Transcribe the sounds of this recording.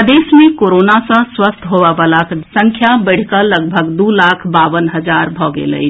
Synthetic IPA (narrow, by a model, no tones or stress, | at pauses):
d̪eːsmẽkoːɾoːnasə̃swəst̪ʰɦoʋabalasə̃ŋkʰjabəɽ̤kələɡbʱəɡd̪ulaːkʰbaʋənɦəd͡ʒaɾbʱɔːɡḛlə̰i